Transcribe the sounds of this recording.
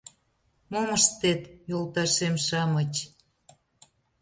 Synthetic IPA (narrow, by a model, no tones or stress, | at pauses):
moməʃt̪et̪jolˠt̪ɑʃemʃɑmət͡ɕ